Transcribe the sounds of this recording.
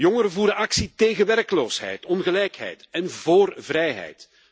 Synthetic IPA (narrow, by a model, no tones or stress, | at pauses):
jɔŋəɾəvuːɾəɑksiteːɣəʋɛrkəloːsɦɛ̰jtɔnɣəlɛjkɦɛ̰jtɛnvoːrvɾɛjɦɛ̰jt